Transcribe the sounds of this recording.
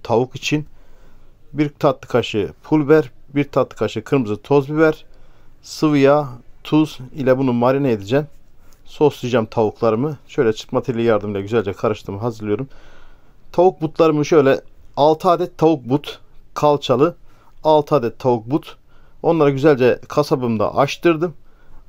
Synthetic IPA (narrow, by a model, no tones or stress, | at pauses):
t̪ʰavukit͡ʃʰin | biɾt̪ʰat̪lɯ̥kʰaʃɯpʰulʲˠbæɾbiɾt̪ʰat̪ːˠɯ̥kʰaʃɯkʰɯɾmɯzɯt̪ʰo̞zbivæɾ̥sɯvɯjat̪ʰuzilʲɛbunumaɾinɛed̪id͡ʒɛm | so̞sijd͡ʒamt̪ʰavuklˠaɾɯmɯʃø̞jlʲɛt͡ʃʰɯ̥kmat̪ʰeɾilʲijaɾd̪ɯmilˠaɟyzælʲd͡ʒɛkʰaɾɯʃt̪ʰɯmɦazɯɾlˠɯjo̞ɾum | t̪ʰavuk̚but̪ʰlˠaɾɯmɯʃø̞jlʲɛalˠt̪ʰaːd̪ɛt̪ʰːavuk̚but̪kʰalˠt͡ʃʰalˠɯ | alˠt̪ʰaːd̪ɛt̪ʰːavuk̚but̪ | o̞nlˠaɾaɟyzælʲd͡ʒɛkʰasabɯmd̪a̰ʔaʃt̪ɯɾd̪ɯm